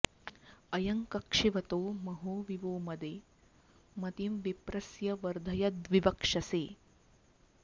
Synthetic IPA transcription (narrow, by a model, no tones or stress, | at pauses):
ɐjɐŋkɐkʂiʋɐt̪oːmɐɦoːʋiʋoːmɐd̪eː | mɐt̪imʋipɾɐsjɐʋɐɾd̪ʱɐjɐd̪ʋiʋɐkʂɐseː